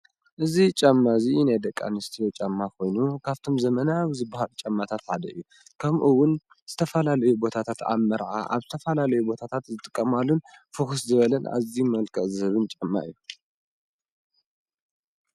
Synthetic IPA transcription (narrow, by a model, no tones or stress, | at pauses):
ʔɨzit͡ʃʼamːazinajd̪ɐkʼːa̰nɨst̪ʰijot͡ʃʼamːakʰo̞jnukʰaβt̪ʰo̞mzɐmɐnawzɨbːahalt͡ʃʼamːat̪ʰat̪ħad̪ɐʔɨjːu | kʰɐmʔuwʊn | z̥ɨt̪ʰɐfɐlalɐjubo̞t̪ʰat̪ʰat̪a̰mɐɾʕa̰ʔa̰βzɨt̪ʰɐfɐlalɐjubo̞t̪ʰat̪ʰat̪zɨt̪ʼɨkʼːɐmalːunfɨxuszɨβɐlɐna̰zimɐlkʰɐʔzɨɨβɨnt͡ʃʼɐmːa̰ʔɨjːu